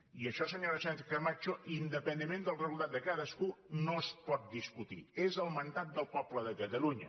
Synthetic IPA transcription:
iəʃɔsəɲoɾəsant͡ʃekəmat͡ʃoʔind̪əpənəmẽnd̪əlˠrəzulˠt̪at̪̚d̪əkaðəskunoəspɔt̪̚d̪iskut̪ḭezəlˠmənd̪at̪̚d̪əlˠpɔbləðəkət̪əluɲə

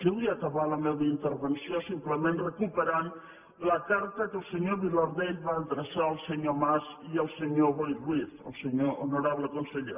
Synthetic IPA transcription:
ʒəβiakaβaləmeβəint̪əɾβənsiosimpləmẽnrəkupəɾan | ləkaɾt̪əkəlˠsəɲoβilaɾðeʎβaːnd̪ɾəsaəlˠsəɲomaziəlˠsəɲoβojwiθə̰lˠsəɲoʔonuɾaβləkunsəʎḛ

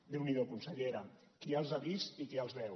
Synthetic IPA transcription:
d̪ewniðokunsəʎeɾakialˠzaβisikealˠzβɛw

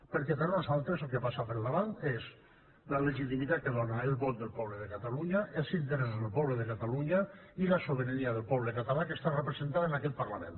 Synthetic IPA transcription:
peɾket̪anosalˠt̪ɾezelˠkepasapeɾlaβanez | laleʒit̪imit̪at̪̚keðonaelˠβɔt̪̚d̪elˠpɔβleðekat̪aluɲaelˠsint̪eɾezðelpɔβleðekat̪aluɲailasoβeɾaniaðelpɔβ̞lekat̪alakest̪arepɾezent̪aðenakɛt̪̚paɾlamḛ̃n

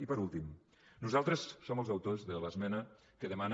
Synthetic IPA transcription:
ipəɾulˠt̪im | nuzalˠt̪ɾəsːoməlˠzɐwt̪ozðələzmɛnə | kəðəman

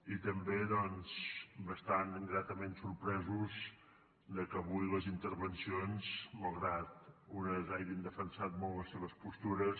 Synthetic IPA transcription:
it̪əmbeðɔnzbəst̪anɡɾat̪əmensuɾpɾɛzuz | d̪əkəβujləzint̪əɾβənsionzməlˠɣɾat̪̚unəzajβind̪əfənsat̪̚mɔlˠləsːeβəspust̪uɾəs

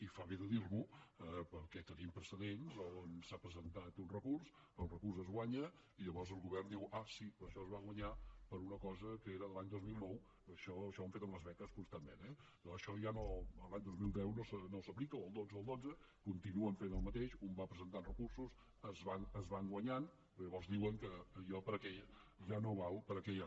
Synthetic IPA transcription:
ifaβeðəðiɾβuəpəɾkɛt̪əɾiəmpɾəsəðenzonsapɾəzənt̪at̪unrəkurs | əlˠrəkursəzɣwaɲə | iʎəβɔrzəlˠɣuβɛrnd̪iwʔasiəʃɔəzβaɣwəɲapəɾunəkɔzəkəeɾəðəlaɲd̪ozmilˠnɔw | əʃɔəʃɔəɱfet̪ənləzβɛkəskunst̪amːenɛ | əʃɔʒanoəlˠaɲd̪ozmilˠd̪ɛwnosənosəplikəoəlˠd̪od͡zəəlˠd̪od͡zə | kunt̪inuəɱfenəlˠmət̪eʃumbapɾəzənt̪anrəkursus | əzβanəzβaŋɡwəɲanppɾɔʎəβɔrzd̪iwəŋkəjɔpəɾəkɛʎʒanoβawpəɾəkɛʎ

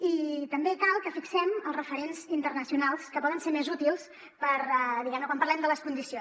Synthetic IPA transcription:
it̪əmbekalˠkəfiksɛməlˠrəfəɾenzint̪ərnəsiunalˠskəpɔðənseɾmezut̪ilˠs | pəɾɛd̪iɣɛmnəkwampərlɛmd̪ələskund̪isio

